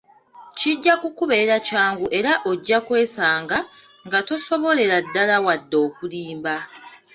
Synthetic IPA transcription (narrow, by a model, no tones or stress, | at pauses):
ciɟːakukuβe̞ɾacaːŋɡuʔe̞ɾaʔo̞ɟːakwe̞ːsaːŋɡa | ŋɡato̞so̞βo̞le̞ɾadːalawadːo̞ːkuliːmba